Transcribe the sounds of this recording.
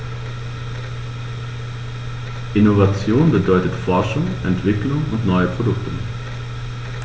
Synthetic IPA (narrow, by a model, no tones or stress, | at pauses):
ʔɪnovat͡sjoːnbədɔʏtətfɔɐʃʊŋʔɛ̰ntv̥ɪklʊŋʊntnɔʏəpʁ̥odʊktə